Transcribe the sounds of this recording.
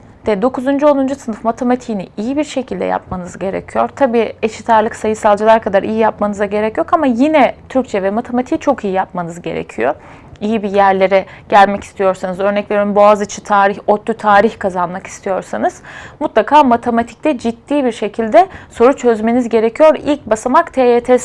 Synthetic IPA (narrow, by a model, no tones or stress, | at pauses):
d̪̥ɛd̪o̞kʰuzund͡ʒyo̞lnˠund͡ʒusɯnɯfmat̪ʰemat̪ʰijiniijibiɾʃe̞cʰilʲd̪ɛ̰ja̰p̚manɯzɟe̞ɾḛcʰijo̞̰ɾt̪ʰabiːeʃit̪ʰaɾlˠɯksajɯsalˠd͡ʒɯlˠaɾkʰad̪aɾʔijijap̚manɯzaɟe̞ɾɛcjokamajinɛt̪ʰyɾc̚t͡ʃʰɛvɛmat̪ʰemat̪ʰijt͡ʃʰo̞kijijap̚manɯzɟe̞̰ɾḛcʰijo̰ | ijibijæɾlʲe̞ɾɛɟ̥ælʲmɛci̥st̪ʰijo̞ɾsanɯzø̞ɾnɛcve̞ɾimboazɯt͡ʃʰɯ̥t̪ʰaːɾiçot̪ʰːyt̪ʰaːɾiçkʰazanmaki̥st̪ʰijo̞ɾsanɯz̥mut̪lˠakʰaːmat̪ʰemat̪ʰi̥c̚t̪ɛd͡ʒit̪ːiːbiɾʃe̞cʰilʲd̪ɛso̞ɾut͡ʃʰø̞zme̞nizɟe̞ɾecʰijo̞ɾilʲc̚basamakt̪ʰeːet̪ʰɛs